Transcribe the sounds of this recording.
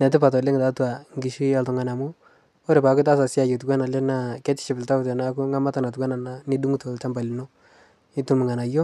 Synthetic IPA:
nɛ˨tɪ˦pa˨tɔ˨le˦ŋ˨ta˨˦tu˦a˨ŋɡi˨ʃi˦a˨ltɔ˨ŋa˨na˨mu˦ | o˦ɾe˨pa˨kɪ˦ta˦sa˨si˦a˨jo˨tu˨ka˦na˨lɛ˦na˦˨kɛ˦tɪ̥˦ʃi˨pɪ˨lta˦ʊ˦tɛ˨na˦ku˦ŋa˦ma˦ta˨na˨t̬u˨ka˦na˨na˨ni˦du˦ŋu˦to˨lta˦mba˨li˨no˦ | ɪ˦tu˦mɪ˨ŋa˨na˨jo˦

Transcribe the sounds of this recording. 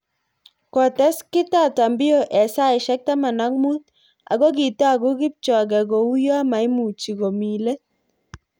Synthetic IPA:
kɔ˨tɛ˦skɪ˦ta˦˨ta˨mbɪ˦jo˦ʔɛ˨sa˦ɪ˨ʃɛ˦k̚ta˦ma˨na˦k̚mu˦t | a̰˨ɡɔ˦ɡi˨tːɡu˦ɡi˦p̚t͡ʃɔ˨ɡɛ˨ɡo˨u˦jo˦a˦ma˨i˦mu˨t͡ʃi˨ko˨mi˨le˦t̚

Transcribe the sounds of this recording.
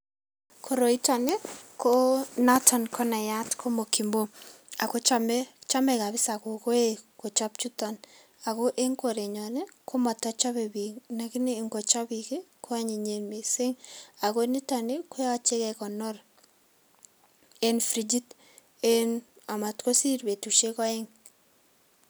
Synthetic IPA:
kʰo˨ɾo˨i˦ta˨ne˦ko˦natʰɔ˨nkʰɔ˦na˨ja˦tkʰo˦mo˨ki˨mbo˦a˨ko˦t͡ʃamɛt͡ʃa˦mɛ˨ka˨bɪ˦sa˨ko˨ko˦e˦ko˨t͡ʃa˦p̚t͡ʃu˦tɔ˨n | a˨ko˦ʔe˦ŋko˨ɾe˨ɲɔ˨nɛ˦kʰo˦mɔ˨tat͡ʃa˦βe˨bi˨ŋna˨ki˦ne˦˨ŋɡo˨t͡ʃɔ˦bike˦ko˦a˦ɲi˨ɲe˨nme˨se˦ŋa˨ko˦ni˦ta˨ne˦ko˦jɔ˦t͡ʃe˦kɛkɔ˨nɔr | e˦nfɾi˨d͡ʒi˦t | e˦na˨ma˨tko˦si˦ɾbe˨tu˨ʃe˦kɔ˦e˦ŋ

